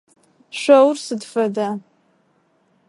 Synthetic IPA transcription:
ʃʷawrsɨdfada

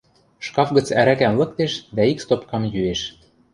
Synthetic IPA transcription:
ʃkɑfɡə̆t͡sæɾækænlɤ̆k̚t̪eʃd̪æikst̪opkɑmjyeʃ

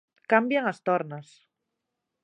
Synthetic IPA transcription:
kambjaŋast̪oɾnas

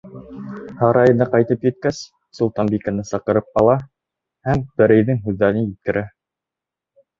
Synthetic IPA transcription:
hɑɾɑjɤ̆nɤqɑjt̪ɤpjɘ̆t̪̚kæs | sulˠt̪ɑnbikanɤsɑqɤ̆ɾɤp̚ɑlˠɑ | hæmbɘ̆ɾɘ̆jðɘŋɦʉðːæɾɘnjɘ̆t̪̚kɘ̆ɾæ

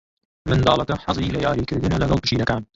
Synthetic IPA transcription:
mɨnd̪ɑːlˠɐkɐħɑzˤilɐjɑːɾiːkɨɾd̪ɨnɐlɐɡɐlˠpɨ̥t͡ʃiːɾɐkaːn

